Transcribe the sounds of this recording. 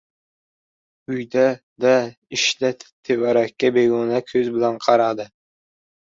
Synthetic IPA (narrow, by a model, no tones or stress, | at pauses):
ʊjd̪a | d̪a | ɪʃlat̪ʰt̪ʰːevaɾakʲːabeɡɒnakʲʰɵzbɪlanqʰɑɾɑd̪ɪ